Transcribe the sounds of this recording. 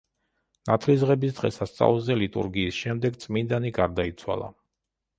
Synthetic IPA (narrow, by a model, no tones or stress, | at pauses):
nat̪ʰlisʁɛbisd̪ʁɛ̰sast̪sʼa̰ulˠzɛlit̪ʼṵɾɡiːsʃɛmd̪ɛɡt̪sʼmind̪aniɡaɾd̪ait̪sʰwa̰lˠa̰